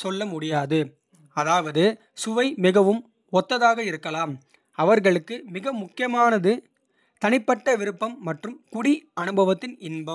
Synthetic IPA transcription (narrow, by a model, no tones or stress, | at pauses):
sɔlːɐmʊɽɪjaːðɯ | ɐðaːʋɐðɯ | sʊʋɐɪmɪɣɐʋɯm | ɔt̪ːɐðaːɣɐɪɾɯkːɐlaːm | ɐʋɐɾɣɐɭɯkːɯmɪɣɐmʊkːɪjɐmaːnɐðɯ | t̪ɐnɪpːɐʈːɐʋɪɾɯpːɐmːɐʈrɯmkʊɽiɐnɯbɐʋɐt̪ːɪnɪnbɐm